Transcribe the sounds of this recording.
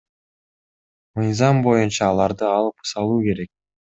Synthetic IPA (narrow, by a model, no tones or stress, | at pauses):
mɯjzɑmbo̞junt͡ʃɑːlˠɑɾd̪ɯɑlˠɯpɯ̥sɑlˠuːke̞ɾe̞k̚